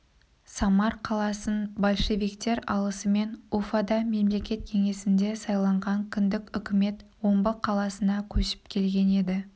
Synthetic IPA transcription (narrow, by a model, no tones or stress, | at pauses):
sɑmɑɾqʰɑlˠɑsənbolʲˠʃe̞vijkt̪e̞ɾɑlˠəsəme̞nufad̪ɑme̞mle̞kʲe̞t̪̚kʲʰe̞ŋe̞sɪnd̪e̞sɑjlˠɑɴʁɑŋkʲʰʏnd̪ɪkʲʏkʲɪme̞t̪wo̞mbəqʰɑlˠɑsənɑkʲʰɵʃɪ̥pkʲʰe̞lɡʲe̞ne̞d̪ɪ